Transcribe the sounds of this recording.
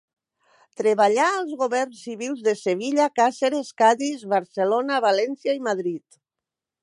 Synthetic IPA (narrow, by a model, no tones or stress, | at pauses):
t̪ɾeβaʎaːlˠzɣoβɛrnsːiβilˠzðeseβiʎakaseɾeskaðizβaɾselonaβalɛnsjaimaðɾit̪